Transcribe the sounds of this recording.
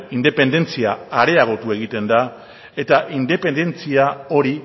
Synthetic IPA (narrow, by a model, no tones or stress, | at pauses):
ind̪e̞pe̞nd̪e̞nt͡siaaɾe̞aɣo̞t̪ue̞ɣ̞it̪e̞nd̪a | e̞t̪aʔind̪e̞pe̞nd̪e̞nt͡siao̞ɾi